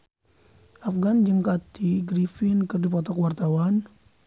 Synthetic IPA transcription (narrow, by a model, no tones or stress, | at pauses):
ʔafɡand͡ʒəŋkat̪iɡɾifinkərdipɔt̪ɔkwart̪awan